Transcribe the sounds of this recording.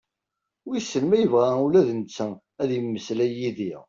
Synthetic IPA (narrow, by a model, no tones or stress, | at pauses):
isːənmæjəvʁæulæðnt͡sːə | æðjəmːəslæjiðiʁ